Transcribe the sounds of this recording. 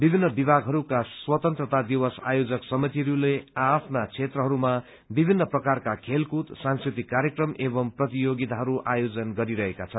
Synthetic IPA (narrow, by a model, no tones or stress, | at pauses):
bibʱinːʌbibʱaɡʱɦʌɾukaswʌt̪ʌnt̪rʌt̪ad̪iwʌsa̰jod͡zʌksʌmit̪iɾuleapʰnat͡sʰet̪rʌɦʌɾuma | bibʱinːʌprʌkarkakʰelkut̪sãnskrit̪ikːaɾjekrʌmebʌmprʌt̪ijoɡit̪aɦʌɾuʔajod͡zʌnɡʌɾiɾʌɦekat͡sʰʌn